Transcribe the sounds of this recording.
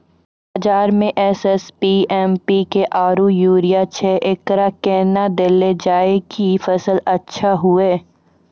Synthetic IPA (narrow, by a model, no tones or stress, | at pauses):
bɐːd͡ʒaːɾmẽʔɛːsɛspiːɛːmpikeʔaːɾujuːɾijat͡ʃʰɛːʔeːkɾakɛːnad̪eled͡ʒaːekifɐsəlɐtːʃʰaɦʊeː